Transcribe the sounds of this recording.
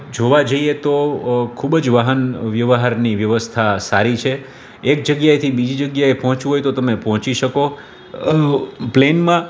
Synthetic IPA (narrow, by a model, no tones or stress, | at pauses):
d͡ʒoʋad͡ʒəiet̪okʰubd͡ʒʋaɦənʋjəʋəɦaɾniʋjəʋəst̪ʰasaɾit͡ʃʰe | ek̚d͡ʒəɡjaet̪ʰibid͡ʒid͡ʒəɡjaepɔɦt͡ʃũɦojt̪ot̪əmepɔɦɔ̃t͡ʃiʃəko | plenmã